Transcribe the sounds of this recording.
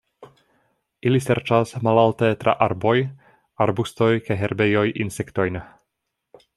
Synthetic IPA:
iliseɾt͡ʃasmalaltetɾʔa̰ʔaɾbo̞j | aɾbusto̞jkajɦeɾbejo̞jʔḭnse̞kto̞jn

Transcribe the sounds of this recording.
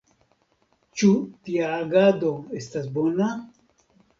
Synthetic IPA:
t͡ʃutiaːɡado̞e̞stasbo̞na

